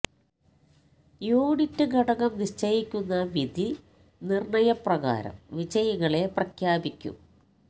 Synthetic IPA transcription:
joːɽitːɨɡɐɽɐɣɐmniʂt͡ɕɐjikʲːunːɐʋid̪ʱi | nirɳɐjɐprɐɣa̰ːɾɐ̰mʋid͡ʑɐjɐɣɐɭe̞prɐkʰjaːbikʲːṵm

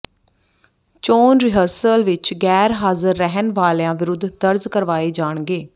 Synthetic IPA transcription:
t͡ʃoːnɾɪɦəɾsəlʋɪt͡ʃɡɛːɾɦaːzəɾːɛɦənʋaːljãːʋɪɾʊd̪ʱd̪əɾzkəɾʋaːeːd͡ʒaːɳɡeː

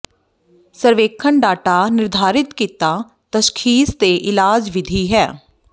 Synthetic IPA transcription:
səɾʋeːkʰəɳɖaːʈaːnɪɾd̪ʱaːɾɪt̪kiːt̪aː | t̪əʃkʰiːst̪eːʔɪlaːd͡ʒʋɪd̪ʱiːɦɛː

